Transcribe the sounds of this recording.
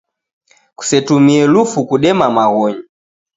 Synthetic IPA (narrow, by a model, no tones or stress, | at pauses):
ku̥sɛtumiɛlufukuɗɛmamaɣɔɲi